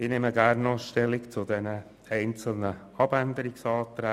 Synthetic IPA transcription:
ɪːnɪməɡæɾnɑʃtɛlɪkt͡sʊdɛnə | ɛɪnt͡sl̩nə | ɑbænd̪əɾɪksɑːt̪ɾæ

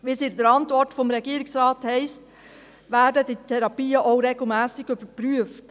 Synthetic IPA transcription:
ʋisɪdəɾɑntʋɔɾtfɔmɾɛɡiːəɾɪksɾɑːthɛɪst | ʋæːɾdəditʰɛɾɑpiːəʔoʊɾeɡl̩ˠmæːsɪɡ̥ʏb̥əɾpɾyəft

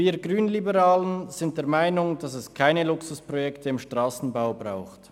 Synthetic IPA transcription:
iːɐɡʁyːnlibəʁaːlənnz̥ɪnt̚d̥eɛːɐmaɪnʊŋd̥ɑsɛskʰaɪnəlʊksʊspʁ̥ojɛktʰəɪmʃtʁ̥aːsn̩baʊbʁaʊxt

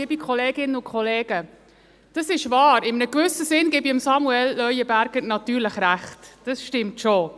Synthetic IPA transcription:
eːbikʰχoleːɡɪnəʊkʰχoleːɡə | d̥ɑsɪʃvɑːɾɪmənəkvʏsəsɪnɡeːbiəmsɑmuɛlːœʏəbæɾɡ̥əɾnɑtyːɾləχɾæχtd̥ɑsʃtɪmtʃo

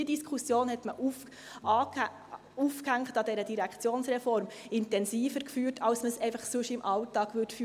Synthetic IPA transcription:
ədiskʰχusjoːnhɛtməʔuf | ɑ | ufkhæŋχtɑdɛɾədiɾækχt͡sjoːnsɾɛfɔɾm | ɪntɛnsiːfəɾkfyːtʰɑwsməsɛɪfɑχsʊʃɪmʔɑltɑːɡ̥ʋʏtfy

